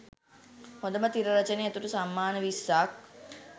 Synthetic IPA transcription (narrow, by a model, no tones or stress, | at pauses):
hõnd̪əmət̪iɾəɾɐt͡ʃəneet̪uʈəsamːaːnəʋisːak̚